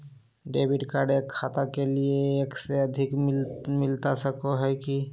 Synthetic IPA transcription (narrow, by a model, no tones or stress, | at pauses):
ɖebʱiʈkaɖekʰat̪akelieːkseəd̪ʱikmilt̪asəkoɦɔjki